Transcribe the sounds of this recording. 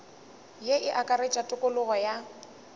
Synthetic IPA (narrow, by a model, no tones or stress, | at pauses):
jeʔɪʔakʼaɾet͡ʃʼatʼʊkʼʊlʊɣɔja